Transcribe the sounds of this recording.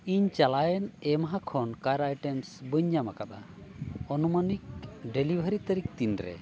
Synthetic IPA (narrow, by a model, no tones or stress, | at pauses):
iɲt͡ʃalajənɛmaɦakʰɔnkaɾajʈemsbəɲjamakat̪a | ɔnumənik̚ɖelibʱəɾit̪əɾik̚t̪inɾɛ̰